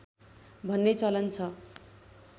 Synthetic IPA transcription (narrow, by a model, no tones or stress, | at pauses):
bʱʌnːet͡sʌlʌnt͡sʰʌ